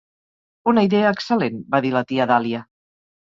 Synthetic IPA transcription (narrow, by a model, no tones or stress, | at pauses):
unəiðeəːksəlenbaðilət̪iaðaliə